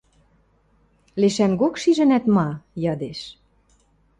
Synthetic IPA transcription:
leʃænɡokʃiʒɘ̆næt̪mɑjɑd̪eʃ

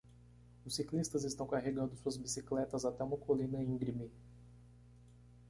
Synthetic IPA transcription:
ʊsiklist̪ɐzɪst̪ɐ̃w̃kaɦeɡɐ̃nd̪ʊsuɐzbisiklɛt̪ɐzat̪ɛũmɐkolĩnɐeĩɡɾimi

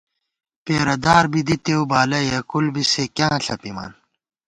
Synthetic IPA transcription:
peːɾɐd̪aːɾbid̪it̪ewbaːlɐjɐkulbisekjãːɬɐ̰pimɐ̰ːn

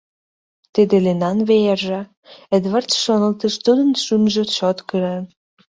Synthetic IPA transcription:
t̪id̪elenɑnβejerʒɑ | ə̆d̪βərt͡sʃonə̆lt̪ə̆ʃt̪ud̪ə̆nʃymʒə̆t͡ɕot̪kəɾen

